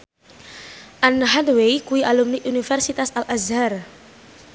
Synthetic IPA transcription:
ʔanɦad̪wejkuiʔalumniunifɛrsit̪asalʔazar

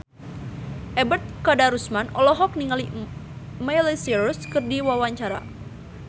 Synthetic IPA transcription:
ʔɛbət̪̚kadaɾusmanɔ̰lɔɦɔk̚niŋali | majlisiɾuskɨrdiwawaɲt͡ʃaɾa̰

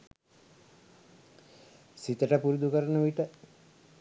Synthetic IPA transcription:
sit̪əʈəpuɾud̪ukəɾənəʋiʈə

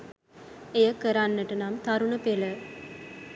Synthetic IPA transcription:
ejɐkəɾanːəʈɐnamt̪ɐɾunɐpelə

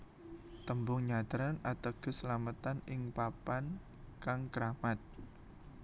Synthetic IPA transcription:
t̪əmbʊŋɲat̪əɾanat̪əɡ̥ə̤səlamət̪anɪŋpapan | kaŋkəɾamat̪̚

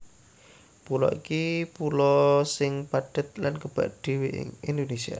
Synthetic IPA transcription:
pulɔ̰ʔikipulɔsɪŋpaɖ̥ə̤t̪̚lankəb̥a̰ʔd̥i̤wḛŋind̪onesia̰

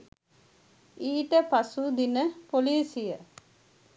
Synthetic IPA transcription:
iːʈəpasud̪inəpoliːsijə

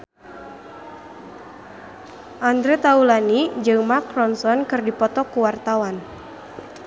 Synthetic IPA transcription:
ʔand̪ɾet̪aulanid͡ʒɨŋmakɾɔnsɔnkɨrdipɔt̪ɔkuwart̪awan

